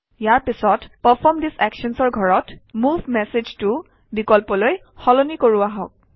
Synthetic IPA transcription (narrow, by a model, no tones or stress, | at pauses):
jaɹpisɔtpɔpʰɔmdisɛkʃɔnsɔɹɡʱɔɹɔtmuvʱmɛsed͡ʒtʊ | bikɔlpɔloj | xɔlonikoɹuaɦɔ̰k̚